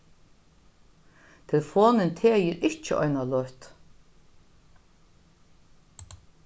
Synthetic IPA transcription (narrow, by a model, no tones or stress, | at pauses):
t̪ʰɪlfoːnɪnt̪ʰeːjiɾɪht͡ʃɪʔɔ̰jnalɔht̪